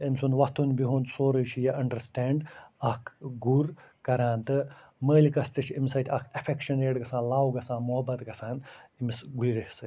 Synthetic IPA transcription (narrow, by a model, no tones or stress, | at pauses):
ɐmsunʋɐt̪ʰunbiɦuːnsoːɾɐʃʰijɐʔɐɳɖɐɾsʈɛːɳɖɐkʰɡuɾkɐɾaːnt̪ɨ | məːlʲkɐst̪ɐt͡ʃʰimsɐt̪ʲʰɐkʰɐfʰekʃɐneːʈɡɐsãːnlaːwɡɐsaːnmuɦɐbɐt̪ɡɐsaːnimisɡulʲiɾɐhsɐ